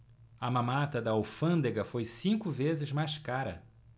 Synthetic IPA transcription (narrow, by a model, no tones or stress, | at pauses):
ɐmãmat̪ɐd̪ɐawfɐ̃nd̪eɡɐfojsĩkʊvezɪzmajskaɾɐ̰